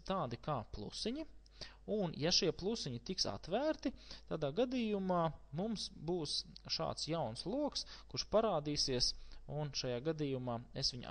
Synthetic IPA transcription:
t̪aːd̪ikaːplˠṵsiɲi | unjaʃiɛplˠusiɲit̪iksa̰t̪ʋæːɾt̪it̪aːd̪aːɡad̪iːjumɑːmumsbuːsʃa̰ːt̪sjawnslˠuɔkskuɾʃpaɾaːd̪iːsiəsunʃajaːɡad̪iːjumaːesʋʲiɲ

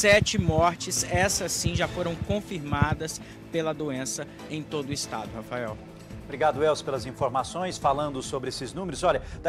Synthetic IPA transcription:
sɛt͡ʃɪmɔɾt͡ʃɪsɛsɐsĩʒafoɾɐ̃w̃kõfiɾmad̪ɐs | pelɐd̪oẽsɐ | ẽj̃t̪od̪ʊɪst̪a̰d̪ʊhafaɛw | bɾiɡad̪ʊɛwspelɐzĩfoɾmasõj̃sfalɐ̃nd̪ʊsobɾɪesɪznũmeɾʊzɔʎɐd̪̥

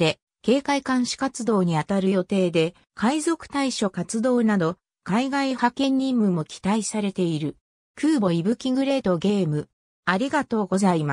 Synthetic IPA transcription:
e̞ | ke̞ːkaikãɰ̃ɕi̥kat͡sɨd̪o̞ːɲ̟iat̪aɾɯ̟jo̞t̪e̞ːd̪e̞ | kaizo̞kɯ̟̥t̪aiɕo̞kat͡sɨd̪o̞ːnad̪o̞ | kaiɡaihakẽ̞ɲ̟ːĩmːɯ̟mo̞kʲi̥t̪aisaɾe̞t̪e̞iɾɯ̟ | kɯːbo̞ibɯ̟kʲĩŋɡɯ̟ɾe̞ːt̪o̞ɡe̞ːmɯ̟ | aɾʲiɡat̪o̞ːɡo̞zaima

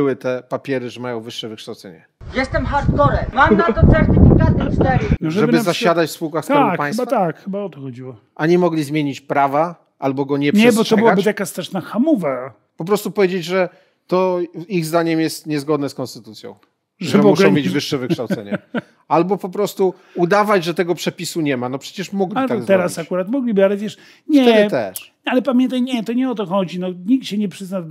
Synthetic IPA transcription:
bwɘt̪ɛpapʲjɛɾɘʐɛmajɔ̃w̃vɘʂːɛvɘkʂt̪awt̪sɛɲɛ̰ | jɛst̪ɛmxaɾt̪kɔɾɛmamnat̪ɔsɛɾt̪ɪfʲikat̪̚st̪ɛɾinɔʐɛɛbbɘzaɕad̪at͡ɕfspuwkaxst̪aapajsbafat̪akxɘbaɔt̪ɔxɔd͡ʑiwɔ | aɲɛmɔɡlʲizmʲjeɲit͡ɕpɾava | ʔalbɔɡɔɲɛpʂɲɛbɔt̪ɔbɨwabɨt̪akast̪ɛʂnaxamuva | pɔpɾɔst̪upɔvʲjed͡ʑed͡ʑʐɛ | t̪ɔiɣzd̪aɲɛmjɛst̪ɲɛzɡɔd̪nɛskɔ̃nst̪ɘt̪ut̪sʲjɔ̰̃w̃ | ʐʐɛɛbmɔuʂɡɾɛ̃ɔ̃mʲjed͡ʑvɘʂːɛvɨkʂt̪awt̪ɛɲɛ | albɔpɔpɾɔst̪u | ud̪avad͡ʑʐɛt̪ɛɡɔpʂɛpʲisuɲɛmanɔpʂɛ̥t͡ɕɛʂmɔɡlʲiat̪aɡzɛɾasakuɾat̪mɔɡlʲibɘalɛvʲjɛʂ | ɲɛɛd̪t̪ɛʂ | alɛpamʲjɛnt̪̬ajɲɛt̪ɔɲɛɔt̪ɔxɔd͡ʑinɔɲik̚t̪ɕɛɲɛpʂɘzna

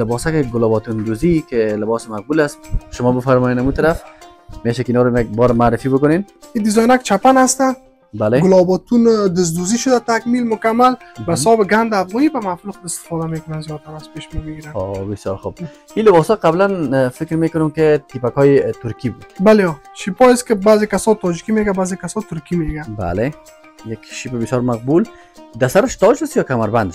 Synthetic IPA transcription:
lɪbɔsakɪɡʊlɔbɔt̪und̪uzikelɪbɔsɪmaq̚bulasʃʊmɔbəfaɾmɔjenamut̪aɾaf | meʃakɪinɔɾamaɡ̚bɔɾmaːɾɪfibʊkʊnen | id̪ɪzɔjnak̚t͡ʃapanast̪a | baleɡʊlɔbɔt̪und̪ɪs̬d̪uziʃʊd̪at̪akmilmʊkamːalbasɔbɪɡand̪afɣɔnibamafluxɪst̪ɪ̥fɔd̪amekʊnanzijɔt̪aɾazpeʃmebɪɡiɾanobɪsjɔɾxub̚ | ilɪbɔshɔqablanfɪkɾmekʊnʊmkɪt̪ʰipakɔjet̪ʊɾkibud̪̥baleɔʃipɔiskɪbazekasɔt̪ɔd͡ʒikimeɡabaːzekasɔt̪ʊɾkimeɡaba̰le | jakʃipbɪsjɔɾmaq̚bul | d̪asaɾɪʃt̪ɒd͡ʒast̪jɔkamaɾband̪

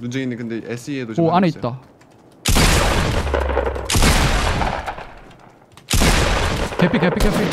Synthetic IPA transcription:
nud͡ʑeinɯkɯndeesʰɯedooaneitt͈a | kepʰikepʰikepʰi

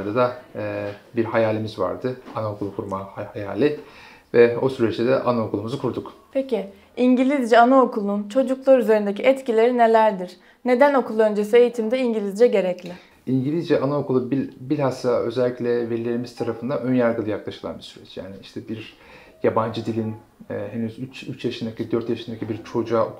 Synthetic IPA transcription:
ɾd̪ad̪a | biɾhajaːlʲimizva̰ɾd̪ɯanaokʰulˠukʰuɾmahaja̰ːlʲi | vɛo̞syɾɛt͡ʃt̪ʰɛd̪ɛʔanaokʰulˠumuzukʰuɾd̪ukpʰecɪ | iɲɟilʲizd͡ʒɛanaokʰulˠunt͡ʃʰo̞d͡ʒuklˠaɾyze̞ɾind̪ecʰiʔɛt̪cilʲe̞ɾine̞lʲæɾd̪iɾ̥ | ne̞d̪æno̞kʰulˠø̞nd͡ʒe̞s̬ie̞jit̪ʰimd̪ɛiɲɟilʲizd͡ʒɛɟe̞ɾɛclʲɪ | iɲɟilʲizd͡ʒɛʔanaokʰulˠubibilʲhasaø̞zɛlʲːicʲlʲɛve̞ɾilʲe̞ɾimiz̥t̪ʰaɾafɯnd̪aø̞njaɾɡɯlˠɯjaklˠaʃɯlˠa̰nbiɾsyɾɛ̰t͡ʃja̰ːniiʃt̪ʰɛbiɾ | jaband͡ʒɯd̪ilʲinː | ɦenyzyt͡ʃyt͡ʃjaʃɯnd̪acʰid̪øɾt̪jaʃɯnd̪acʰibiɾt͡ʃʰo̞d͡ʒuao̰k

